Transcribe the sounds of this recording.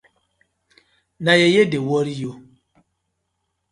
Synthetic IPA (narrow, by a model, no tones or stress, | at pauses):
najejedewɔɾijo